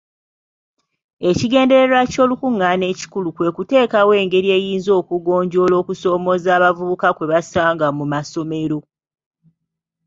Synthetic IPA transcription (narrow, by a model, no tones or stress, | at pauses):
e̞ciɡe̞ːnde̞ɾe̞ɾaco̞ːlukuŋːane̞ːci̥kulukwe̞ːkute̞ːkawe̞ːŋɡe̞ɾie̞ːjiːnzo̞ːkuɡo̞ːɲɟo̞lo̞ːkuso̞ːmo̞zaːβavuβukakwe̞βasaːŋɡamumaso̞me̞ɾo̞